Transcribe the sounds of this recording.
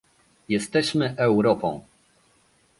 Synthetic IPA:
jɛst̪ɛɕmɘʔɛwɾɔpɔ̰̃w̃

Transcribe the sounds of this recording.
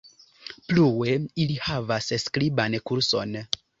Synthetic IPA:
pluwe̞ilihavassklibankuɾso̞n

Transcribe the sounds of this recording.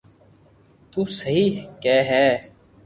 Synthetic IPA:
t̪uːsəɦiːkɛːɦɛː

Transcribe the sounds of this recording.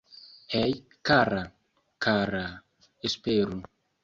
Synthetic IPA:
ɛj | kara | kara | espeɾu

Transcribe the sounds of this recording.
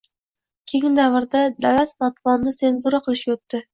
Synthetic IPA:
kʲʰeŋʲɪnd̪avɾd̪ad̪alat̪mat̪bɒnːɪse̞nzuɾaqʰɨlˠɪʃjot̪ːɪ

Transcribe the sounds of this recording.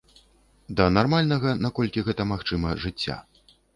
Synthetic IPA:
d̪ɐnarmalʲnɐɣɐnakɔlʲkʲiɣɛt̪ɐmaxt͡ʂɨmɐʐɨt͡sʲːa̰

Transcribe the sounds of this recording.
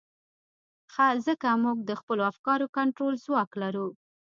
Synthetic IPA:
xazəkamuɡ̚d̪əxpəloafkɑɾokaɳʈɾolzwɑklaɾu

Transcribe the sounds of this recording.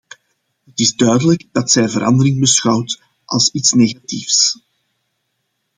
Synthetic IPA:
ɦətɪzdœɥdələɡd̥ɑtsɛjvəɾʔɑ̰ndəɾɪŋbəsxɑwt | ʔɑ̰lˠsitsneːɣatifs

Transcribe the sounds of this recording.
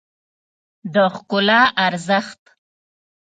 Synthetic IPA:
d̪əxkʊlɑʔaɾzəxt̪

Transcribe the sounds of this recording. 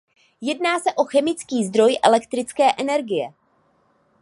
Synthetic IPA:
jɛdnaːsɛʔo̞xɛmɪt͡skiːzd̪ɾo̞jʔɛ̰lɛkt̪ɾɪt͡skɛːʔɛnɛɾɡɪjɛ

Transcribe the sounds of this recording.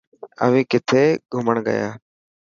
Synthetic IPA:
ə̰ʋĩːkɪt̪ʰeːɡʱʊməɳɠə̰ja̰ː

